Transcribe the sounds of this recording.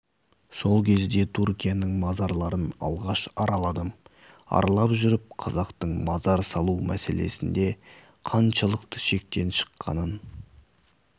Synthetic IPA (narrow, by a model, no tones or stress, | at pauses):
so̞lˠkʲʰe̞zd̪e̞t̪ʰuɾkʲijanəɴmɑzɑɾlˠɑɾənɑ̰lˠʁɑʃɑɾɑlˠɑd̪əm | ɑ̰ɾɑlˠɑpʒʏɾɪp̚qʰɑzɑqt̪əɴmɑzɑɾsɑlˠumʔæse̞̰le̞̰sɪnd̪e̞ | qʰɑnʃɑlˠəqt̪əʃe̞k̚t̪e̞nʃə̥qːɑ̰nən